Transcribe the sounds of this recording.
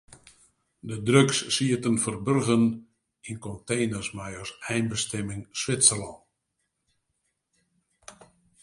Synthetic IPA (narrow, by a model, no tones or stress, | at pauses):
dədrøksːiətənfərbørɣən | inkɔntejnərsmajərsɛjnbəstɛmɪŋsʋɪtsəlɔn